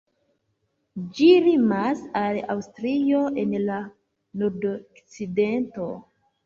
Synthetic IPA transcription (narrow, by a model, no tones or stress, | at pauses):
d͡ʒiɾimasala̰wstɾioʔenla | noɾdokt͡sidento̞